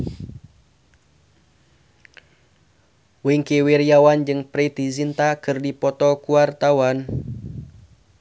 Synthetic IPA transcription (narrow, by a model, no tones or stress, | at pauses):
wɪŋkiwirjawand͡ʒɨŋpɾit̪isint̪akɨrdipɔt̪ɔkuwart̪awan